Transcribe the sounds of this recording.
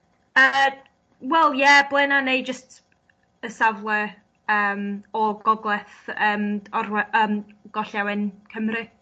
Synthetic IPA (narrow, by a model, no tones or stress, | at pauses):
ə | wɛlˠjɛblˠɪnanejd͡ʒəst | əsavlˠə | əːmɔɡ̥ɔɡlˠɛθəːmɔrwɛʔəːmɡ̥ɔɬawɪnkʰəmrɨ